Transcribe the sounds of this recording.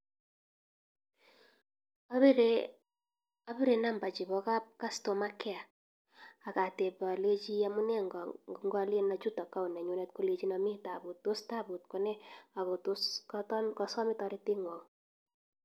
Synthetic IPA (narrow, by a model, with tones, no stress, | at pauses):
a˦bi˦ɾe˨na˦mba˨t͡ʃi˨βɔ˦ka˦p̚ka˦sto˨ma˦kɛ˦a˨ | a˨ka˨te˨ba˨le˦t͡ʃi˦a˦mu˦nɛ˦ŋ˨ŋɡa˦lje˦na˨t͡ʃu˦tɔ˨ka˦u˨nɛ˨ɲo˨˦nɛ˦t̚ko˦le˦t͡ʃi˦na˨mi˦ta˨bu˨tːo˦sta˦bu˨t̚kɔ˦nɛ˦a˨ko˨tu˦sktkɔ˨sɔ˦mɪ˦tɔ˧ɾi˦ti˦ŋɔ˨